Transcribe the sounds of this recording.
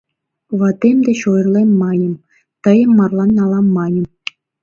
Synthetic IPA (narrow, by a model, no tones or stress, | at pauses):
ʋɑt̪ʲemʲd̪ʲĕɕojɤ̆rlʲˠemʲːɑnʲɤ̆m | t̪ɤ̆jɤ̆mːɑrlˠɑnːɑlˠɑmːɑnʲɤ̆m